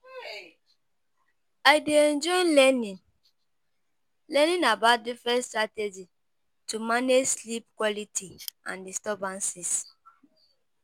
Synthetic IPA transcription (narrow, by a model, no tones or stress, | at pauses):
ajdeɛ̃nd͡ʒɔɪlɛnĩn | lɛnĩnabat̚difɹɛ̃nstɹated͡ʒi | tumaneslip̚kwɔlitʰiã̰ndistɔbãnsis